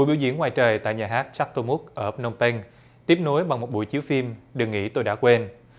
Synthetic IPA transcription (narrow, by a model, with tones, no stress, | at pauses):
ṵ˨˧˥ɓḭ˧˩wzḭ˧˥˩ŋwaː˨˩jt͡ɕəː˨˩jt̪a̰ː˧˨jɲaː˨˩ɦaː˦˥t̚t͡ɕa˦˥k̚t̪o˧mʊ˦˥k̚ʔəː˧˩no˧wŋ͡mpɛ˧ŋ | t̪i˦˥əp̚no˨˦jɓa˨˩ŋmo˨˩t̚ɓṵ˧˩jt͡ɕi˨˦wfi˧mɗɨ˨˩ŋḭ˧˥t̪o˧jɗa̰ː˧˥kwe˧n